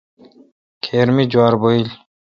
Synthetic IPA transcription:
kʰeːɾmid͡ʑwaːɾboil

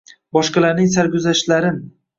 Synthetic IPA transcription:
bɒʃqɑlaɾnɪŋsaɾɡʲʊzaʃlaɾɪm

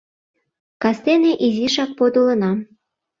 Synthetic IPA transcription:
kɑst̪eneʔiziʃɑk̚pod̪olɤ̆nɑ

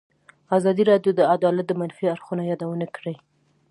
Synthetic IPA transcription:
azɑd̪iɾɑɖjod̪əad̪ɑlat̪̚d̪əmanfiaɾxunajɑd̪awənakɽe

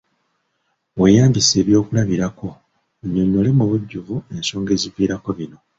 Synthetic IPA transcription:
we̞jaːmbise̞ːβjo̞ːkulaβiɾako̞ | ɲːoɲːole̞muβuɟːuvue̞nso̞ːŋɡe̞ːziviːɾako̞βino̞

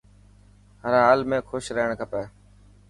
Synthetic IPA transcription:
ɦəɾɦaːlmẽːkʰʊʃɾəɦɳkʰəpeː

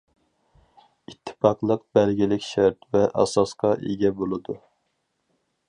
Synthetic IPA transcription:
it̪ʰːɪ̥pɑqlˠəq̚bɛlɡʲilɪkʲʃɛɾt̪vɛʔɑ̰sɑsqɑʔeɡʲɛbolˠɨd̪u

